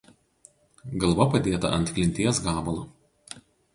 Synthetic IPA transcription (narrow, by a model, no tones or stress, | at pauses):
ɡɐlˠˑʋɐpɐd̪ʲeːt̪ɐ̰ʔɐ̰nʲt̪klʲɪnʲt̪ʲiɛsɡɑːbɐlˠɐ